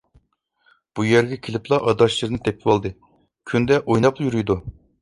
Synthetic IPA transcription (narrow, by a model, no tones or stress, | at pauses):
b̥ujɛɾɡʲɛkʲʰelɪplˠɑʔɑd̪ɑʃlˠɨɾnɨt̪ʰɛp̚ʰɪwɑlˠd̪ɨ | kʲʰynd̪ɛʔojnɑplˠjyɾyjd̪u